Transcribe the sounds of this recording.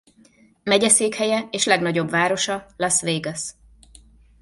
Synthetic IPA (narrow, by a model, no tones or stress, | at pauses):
mɛɟɛseːkhɛjɛeːʃlɛɡnɒɟo̞bvaːɾo̞ʃɒlɛsʋeːɡɛs